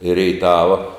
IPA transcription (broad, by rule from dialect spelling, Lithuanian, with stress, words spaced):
ɪ rʲɛɪˈtɑːʋɐ